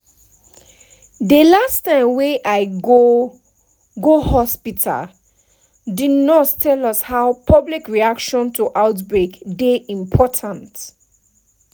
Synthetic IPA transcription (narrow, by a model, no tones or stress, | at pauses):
dəlastãɪ̃mwɛ̃ʔaɪɡo | ɡohɔspitʰa̰l | didnɔttʰɛlɔshaʊpʰʌblikɹiakʃɔ̃ntʰuʔaʊtbɹekdeʔĩmpʰɔtʰãnt